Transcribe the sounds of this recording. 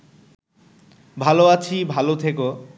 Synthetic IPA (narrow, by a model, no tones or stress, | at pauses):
bʱaloat͡ɕʰibʱalot̪ʰeko